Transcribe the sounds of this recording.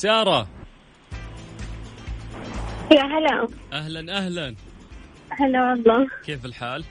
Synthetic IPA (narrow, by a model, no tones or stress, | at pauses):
sɑːɾˤɑ | jaɦaloʔaɦlanʔahlan | ɦaloːɑlˤːɑːkeːfɪlħaːl